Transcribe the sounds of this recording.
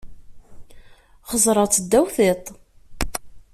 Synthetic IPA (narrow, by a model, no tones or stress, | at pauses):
χəzˤɾˤɑt͡sːəd̪ːæwθet̪ˤ